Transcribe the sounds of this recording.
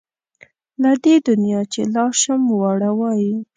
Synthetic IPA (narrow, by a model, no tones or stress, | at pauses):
lad̪ed̪ʊnjɑt͡ʃḛlɑʃamwaɽawɑji